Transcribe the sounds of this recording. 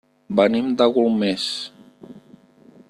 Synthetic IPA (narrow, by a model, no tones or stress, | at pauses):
bənimd̪aɣulˠmes